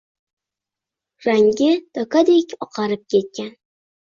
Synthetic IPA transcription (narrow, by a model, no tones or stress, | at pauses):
ɾaŋɡʲɪt̪ʰɒkad̪ekʲɒqʰɑɾɪp̚kʲʰe̞t̪̚kʲan